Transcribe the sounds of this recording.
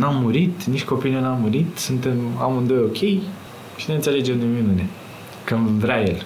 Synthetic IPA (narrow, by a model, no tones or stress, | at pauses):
namːuɾit̪nit͡ʃʲt̪ʲko̞pijnunamːuɾit̪sunt̪e̞mamɨnd̪ojokʲʰe̞j | t͡ʃineɨnt̪se̞le̞d͡ʒemd̪uminune | kɨnvɾʲajel